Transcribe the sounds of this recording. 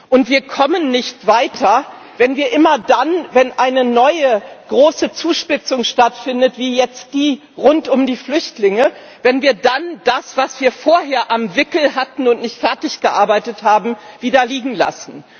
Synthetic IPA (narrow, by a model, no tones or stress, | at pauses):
ʔʊntv̥iːɐkʰɔmənːɪçtv̥aɪtʰɐ | vɛnviːɐʔɪmɐdanvɛnʔaɪnənɔʏəɡ̥ʁoːsət͡suːʃpɪt͡sʊŋʃtatfɪndətv̥iːjɛt͡st̚d̥iː | ʁʊntʊmdiːflʏçtlɪŋə | vɛnviːɐdand̥asv̥asv̥iːɐfoːɐɦeːɐʔamvɪkl̩ɦatn̩ʊntnɪçtfɛɐtɪçɡ̥əʔaɐbaɪtəthaːbm̩viːdɐliːɡŋ̩la̰sn̩